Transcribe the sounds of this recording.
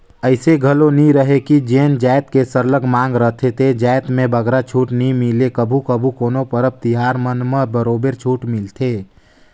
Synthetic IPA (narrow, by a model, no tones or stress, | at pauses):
əɪseɡʱəloniɾəɦekid͡ʒeːnd͡ʒaːjt̪kesəɾləɡmãːŋ̆ɡɾəɦt̪ʰet̪ʰed͡ʒaːjt̪mẽbəɡɾat͡ʃʰuːʈnimilekəbʱukəbʱukoːnopəɾəb̚t̪iɦaɾmənməbəɾoːbeɾt͡ʃʰuːʈmɪlt̪ʰe